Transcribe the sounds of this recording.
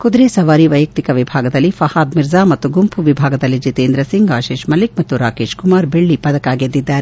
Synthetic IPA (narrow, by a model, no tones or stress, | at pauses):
kud̪ɾeːsɐʋaːɾiʋɐjɐk̚t̪ikɐʋibʱaːɡɐd̪ɐlːifɐhaːd̪miɾzaːmɐt̪ːuɡumpʰuʋibʱaːɡɐd̪ɐlːid͡ʒit̪eːnd̪ɾɐsiŋɡaːʃeːʃmɐlik̚mɐt̪ːuɾaːkeːʃkumaːɾbeɭːipɐd̪ɐkaːɡid̪ːid̪ːaːɾe